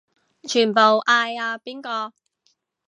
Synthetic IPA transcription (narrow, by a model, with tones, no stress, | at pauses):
t͡ʃʰyː˨˩npo˨˩wʔaː˧jaː˧piː˥nkɔː˧